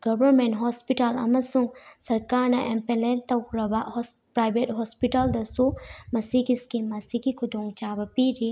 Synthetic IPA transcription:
ɡɐbɐɾmẽnʈɦɔspiʈalɐ̰mɐsuŋsɐɾkaːɾnɐʔempelẽnt̪ɐwkɾɐbaʔɦɔspɾaːjbeʈɦɔspiʈɐld̪ɐsumɐsikiskimːɐsikikʰud̪uŋɡt͡ʃaːbɐpiɾi

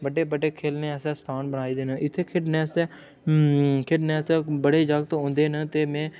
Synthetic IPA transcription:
bəɖeːbəɖeːkʰeːlneːəsɛːst̪ʰaːnbəɽaːiːd̪eːnəʔɪt̪ʰːeːkʰɪʈnɛːs | kʰɪʈnɛsbəɽeːd͡ʒəɡt̪õːnd̪eːnət̪eːmɛ̃ː

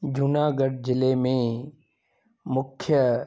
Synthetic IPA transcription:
d͡ʑʊnaːɡəɖd͡ʑɪlemẽ | mʊkʰjə

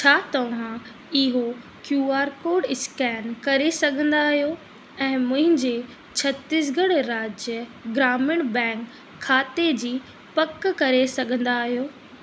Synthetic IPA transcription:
t͡ɕʰaːt̪ɐʋ̤ã | ɪɦo | kjuːaːɾkoːɖɪskɛːnkɐɾesɐɡʱə̃nd̪aɦijo | ɛ̃ːmʊ̃ɦɪ̃ɲd͡ʑe | t͡ɕʰɐt̪ɪs̬ɡɐɽɾaːd͡ʑjəɡɾaːmɪɽ̃bɛ̃ːkʰː | aːt̪ed͡ʑiː | pɐkkɐɾesɐɡʱə̃nd̪aːɦijoː

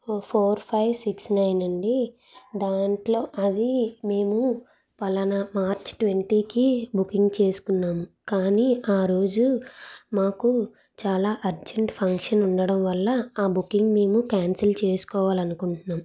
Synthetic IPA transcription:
pʰoːɾpʰɐjʋsiksnɐjnɐɳɖi | d̪aːɳʈlo̞ːʔɐd̪ime̞ːmu | pɐlɐnɐmaːɾt͡ʃʈʋe̞ɳʈiːkibukiŋɡt͡ʃe̞ːsu̥kunːaːmu | kaːniːaːɾo̞ːd͡ʒumaːku | t͡ʃaːlaːʔɐɾd͡ʒeɳʈpʰɐŋkʂɐnuɳɖɐɽɐmʋɐlːɐaːbukːiŋɡme̞ːmukaːnsɐlt͡ʃe̞ːsu̥kɔːʋaːlɐnukuɳʈunːaːmu

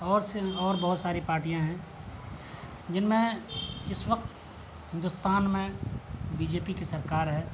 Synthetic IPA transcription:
ɔːɾsɔːɾbɔɦʊt̪saːɾipaːɾʈijãɦɛ̃ | d͡ʒɪnmẽɪswək̚t̪ | ɦɪ̃nd̪ʊst̪aːnmẽbiːd͡ʒeːpikisɐɾkaːɾɦɛː

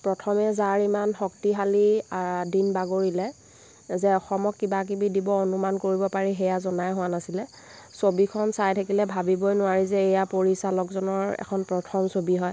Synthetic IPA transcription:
pɹɔtʰɔmɛzaɹimanxɔktiɦalidinbaɡoɹilɛ | zɛɔxɔmɔkːibak̬ibidibɔonumankoɹibɔpaɹiɦɛjazɔnajɦʊwanasilɛ | sobikʰɔnsajtʰakilɛbʱabibɔjnʊwaɹizɛːjapoɹisalɔkzɔnɔɹɛ̰kʰɔnpɹɔtʰɔmsobiɦɔj

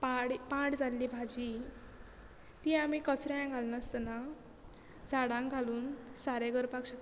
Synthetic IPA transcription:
paɽpãɽd͡zalːibʱad͡ʑi | t̪iamikəsɾajãɡʱalnəst̪əna | d͡zaɽãŋɡʱaluːnsaɾeɡəɾpakɕak

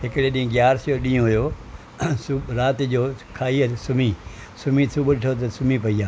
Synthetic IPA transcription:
ɦɪkɽeɗĩĩɡjaːɾsjoɗĩːõɦʊjoː | sʊɾaːt̪ɪd͡ʑoːkʰaːisʊmi | sʊmĩsʰʊbʊʈʰot̪̬ɐsʊmipɐiaː

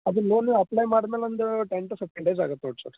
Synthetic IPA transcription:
ɐd̪uloːnɐplɐjmaːɽɐmeːlɐɐnd̪uʈeɳʈusep̚ʈeɳɖejza̰ːɡɐt̪ːnoʈso

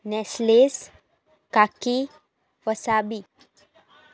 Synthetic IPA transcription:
nɛsles | kaki | pəsabi

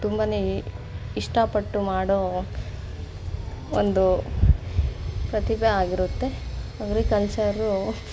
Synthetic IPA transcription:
t̪umbɐne | iʂʈɐpɐʈːumaːɽoː | ond̪u | pɾɐt̪ibeaːɡiɾut̪ːe̞aɡɐɾikɐlsɐɾu

